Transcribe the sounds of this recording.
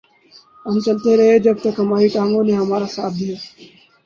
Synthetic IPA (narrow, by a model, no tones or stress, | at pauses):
ɦəmt͡ʃəlt̪eːɾəɦeːd͡ʒəb̚t̪əkɦəmaːɦiːʈaːŋɡõːneːɦəmaːɾaːsa̰ːt̪̚ʰd̪ɪjaː